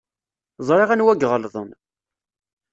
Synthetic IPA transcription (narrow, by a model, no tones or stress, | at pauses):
zˤɾˤeʁænwæɡʁəlðˤən